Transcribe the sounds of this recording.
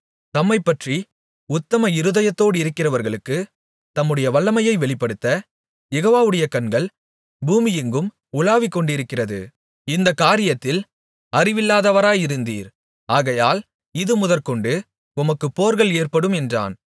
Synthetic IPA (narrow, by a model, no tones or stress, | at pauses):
t̪ɐmːɐɪpːɐʈri | ʊt̪ːɐmɐɪɾɯðɐjɐt̪ːoːɽɪɾɯkːɪrɐʋɐɾɣɐɭɯkːɯ | t̪ɐmːɯɽɐjɐʋɐɭːɐmɐjɐɪʋɛɭɪpːɐɽɯt̪ːɐ | jɛɣoːʋaːʋɯɽɐjɐkɐnɡɐɭ | buːmɪjɪŋɡɯm | ʊlaːʋɪkːɔɳɖɪɾɯkːɪrɐðɯ̰ | ɪnd̪ɐkːaːɾɪjɐt̪ːɪl | ɐrɪʋɪlːaːðɐʋɐɾaːjɪɾɯnd̪ḭːɾ | aːɣɐjaːl | ɪðɯmʊðɐɾkɔɳɖɯ | ʊmɐkːɯpːoːɾɣɐɭeːrpɐɽɯmɛndra̰ːn